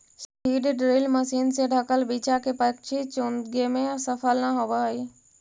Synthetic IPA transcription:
spiɖeɖɾilməsiːnsẽɖʱəkəlbit͡ʃakepəkt͡ʃʰit͡ʃond̪ɡemẽsəpʰəlnaɦobəi

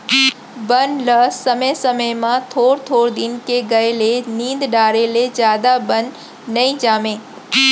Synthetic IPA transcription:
bənləsəməjsəməjmãt̪ʰoːɽt̪ʰoːɾd̪ɪnkeɡɐelenĩːnd̪ɖaːɾeled͡ʒjaːd̪abənː | ɐĩd͡ʒaːmẽː

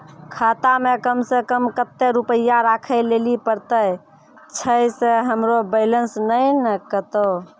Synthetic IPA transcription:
kʰat̪amekəmsekəmkət̪ːeɾupəjaɾakʰəlelipəɾt̪əj | t͡ʃʰəjseɦəmɾobələnsnəjnəkət̪o

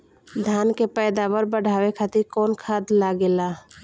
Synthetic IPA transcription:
d̪ʱjaːnkepɛːd̪aːʋəɾbəɽ̤ʱaːwekʰat̪ikɔːnkʰaːd̪laɡeːlaː

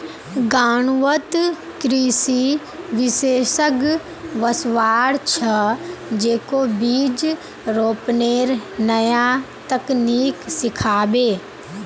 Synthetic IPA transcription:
ɡaːɽ̃ʋət̪ | kɾiːsi | ʋɪseːʃəɡ | ʋɐsʋaːɽt͡ʃʰɐd͡ʒeːkobiːd͡ʒ | ɾoːpneːɾnɐja | t̪ɐkniːksɪkʰaːbeː

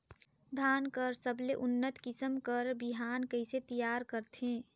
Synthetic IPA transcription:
d̪ʱaːnkəɾsəbleʔʊnːət̪kɪsəmkəɾbɪɦaːnkəɪset̪ijaːɾkəɾt̪ʰẽː

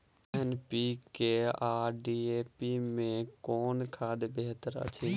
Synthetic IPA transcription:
ɛnpiːkeːaːɖiːeːpiːmẽkoːnkʰaːd̪beɦt̪əɾə̰t͡ʃʰẽː

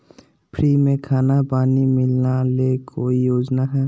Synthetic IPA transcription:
pʰɾiːmẽkʰaːnapaːnimɪlnalekʰoːijoːd͡ʒnakʰaː

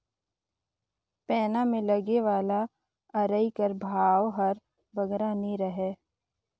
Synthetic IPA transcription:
pɛːnamẽlɐɡeʋaːla | ɐɾəikəɾbʱaːwɦɐɾ | bɐɡɾaniɾəɦeː

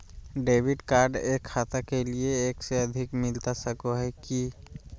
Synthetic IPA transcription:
ɖeːʋɪɖkaːɾɖeːkʰːaːt̪akelieːkseɐd̪ʱɪkmɪlt̪asəkoɦɛki

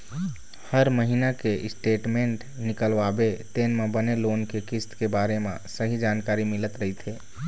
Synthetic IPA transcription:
həɾməɦinakeʔɪsʈeːʈmẽɳʈ | nɪkəlʋabet̪eːnmẽbəneloːnkekɪst̪kebaːɾemẽsəɦid͡ʒaːnkaːɾimɪlət̪ɾəɦit̪ʰeː

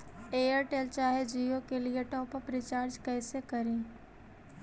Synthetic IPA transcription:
eːjəɾʈeːlt͡ʃaːɦed͡ʒiːokelieʈɔːpəpɾɪt͡ʃaːɾd͡ʒkɛːsekɐɾẽː

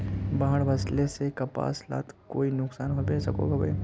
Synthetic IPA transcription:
baːɦəɽʋɐslesekɐpa̰ːsla̰ːt̪koːinʊksaːnɦobeːsɐko̰ɡabḛː

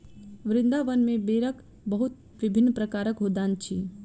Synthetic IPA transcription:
ʋɾɪ̃nd̪aʋənmẽbeːɾək | bəɦut̪̚ | ʋɪbʱɪnːpɾəkaːɾəkɦod̪aːnt͡ʃʰi

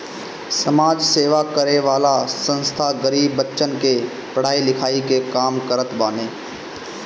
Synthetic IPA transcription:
sɐmaːd͡ʒseːʋakəɾeʋaːlasə̃nst̪ʰaɡəɾiːbːətːʃənke | pɐɽ̤aːilɪkʰaːikekaːmkəɾət̪baːneː

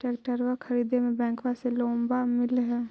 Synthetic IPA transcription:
ʈeːkʈəɾwəkʰəɾiːd̪emẽbɛ̃ːŋkʋaselõːmbamɪlɦɛː

